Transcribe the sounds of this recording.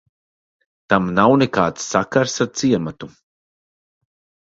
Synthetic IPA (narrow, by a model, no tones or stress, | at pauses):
t̪amnawnekaːt̪sːakaɾsaɾt̪siɛmat̪u